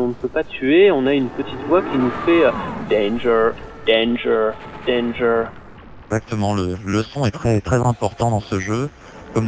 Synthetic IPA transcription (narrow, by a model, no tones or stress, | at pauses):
ɔ̃nəpøpat̪yeɔ̃naynpət̪it̪vwakʲinufɛød̪ɛ̃nʒəʁd̪̥ɛ̃nʒəd̪̥ɛ̃nʒə | ɛɡzak̚t̪əmɑ̃lələsɔ̃ɛt̪χɛt̪χɛzɛ̃pɔʁt̪ɑ̃d̪ɑ̃səʒø | kɔm